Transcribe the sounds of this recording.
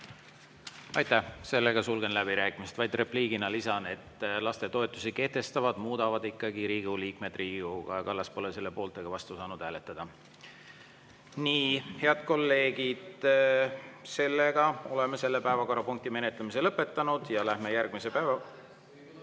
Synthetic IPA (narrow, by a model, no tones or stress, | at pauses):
ɑjt̪ːˑæhse̞lːeɡ̥ɑsulɡ̥e̞nlæbiɾæːkˑimist̪vɑjd̪̥re̞pliːɡ̥inɑlisɑne̞t̪ːˑlɑst̪e̞t̪o̞et̪ːˑusike̞ht̪e̞st̪ɑvɑd̪̥muːd̪̥ɑvɑd̪̥ikːˑɑɡiɾiːɡ̥uliːkme̞d̪̥riːɡuɡ̥ɑkɑlːɑspo̞lese̞lːe̞po̞ːlt̪ˑe̞ɡ̥ɑvɑst̪usɑːnud̪̥hæːlet̪ːˑɑd̪̥ɑ | niːhe̞ɑd̪̥̚ko̞lːe̞ːɡid̪̥ | se̞lːeɡ̥ɑo̞le̞mese̞lːepæevɑko̞rːɑpuŋkt̪ime̞net̪lemise̞lɤpːˑe̞t̪ːˑɑnud̪̥jɑlæhmejærɡ̥mise̞pævɑ